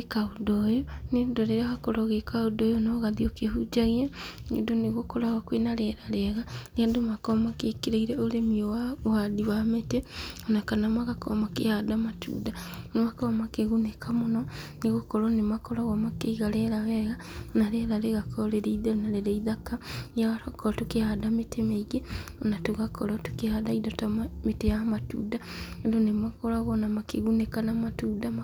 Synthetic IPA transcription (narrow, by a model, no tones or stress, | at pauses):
ekaodɔjonedoɾeɾaɣakoɾɔɣekaodɔjonɔɣaðiokeɦud͡ʒaɣeɛnḛdoneɣokɔɾaɣakwenaɾɛɾaɾɛɣaneadomakɔmakekeɾeiɾɛoɾemiowawadiwameteonakanamaɣakɔ̰makehadamatṵdanemakɔmakeɣunekamonɔneɣokɔɾɔnemakɔɾaɣɔmakeiɣalɛɾaɣɛɣa | naɾeɾaɾeɣakʰɔleɾeiðanaɾeɾeiðakajaakɔɾatokehadametʰemeiɣe | onatoɣakɔɾɔto̥kehadaidatametejamatṵdaedonemakɔɾaɣɔnamakeɣunekanamatudama